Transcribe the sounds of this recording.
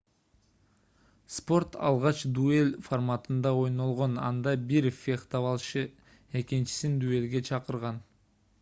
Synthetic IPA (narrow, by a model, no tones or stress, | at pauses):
spo̞rt̪ʰɑ̰lˠʁɑt͡ʃd̪uelʲformat̪ɯnd̪ɑo̞jno̞lˠʁo̞nɑ̰nd̪ɑbiɾfʲekt̪ɑβɑlˠʃɯ | e̞kint͡ʃi̥sind̪ue̞lɡe̞t͡ʃʰɑqəɾʁɑn